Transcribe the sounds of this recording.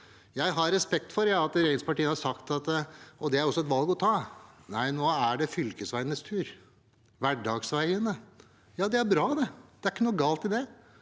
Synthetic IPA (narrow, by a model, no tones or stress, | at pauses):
jæɪɦɑɾɾɛspɛk̚t̪fɔɾjɑːɑt̪ɾeːɡəspɑʈiːənhɑɾsɑkt̪ɑt̪ɔd̪ɛæɾɔsːɔɛt̪ʋɑlˠɡɔt̪ʰɑːnæɪnoːæɖɛfʏlkəsʋæɪənəst̪ʰʉːɾ | ʋæɖɑːɡsʋæɪənə | jɑːd̪ɛæɾbɾɑːd̪ɛd̪ɛæɾɪkːənuːɡɑːlt̪ɪld̪ɛ